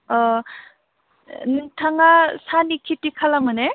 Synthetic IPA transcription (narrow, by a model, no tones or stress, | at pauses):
ɔ | ntʰaŋasanikʰitikʰalamɯne